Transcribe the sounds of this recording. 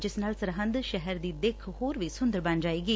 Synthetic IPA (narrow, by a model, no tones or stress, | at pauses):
d͡ʒɪsnaːlsəɾɦə̃nd̪ʃɛɦɛɾd̪iːd̪ekʰhoːɾʋisʊ̃nd̪əɾbɐnd͡ʒaːeːɡiː